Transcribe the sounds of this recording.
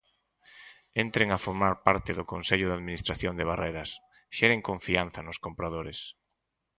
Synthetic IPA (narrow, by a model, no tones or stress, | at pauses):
ent̪ɾeŋafoɾmaɾpaɾt̪ɪðʊkonseʎʊðaðminist̪ɾaθjond̪eβ̞arejɾɐs | ʃɛɾeŋkoɱfianθɐnʊskompɾað̞oɾɪs